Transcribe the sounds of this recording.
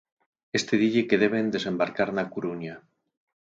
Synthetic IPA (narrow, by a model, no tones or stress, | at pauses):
est̪eðiʎekeð̞eβ̞e̞nd̪ese̞mbaɾkaɾnakuɾuɲa